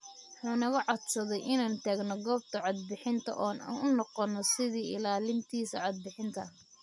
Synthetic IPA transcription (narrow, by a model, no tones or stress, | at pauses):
wʊħuːnɐɣɐʕɑd̪sɐðɛjʔɪnaːnt̪ʰaːɡnɔɡɔːb̚t̪ʰɐʕɑd̪̚bɪħɪnt̪ʰɐ̰ʔɔːna̰ːnʊnɔqɔnːɔsɪðiːʔɪ̰laːlɪnt̪ʰiːsɐʕɑd̪̚bɪħɪnt̪ʰɐ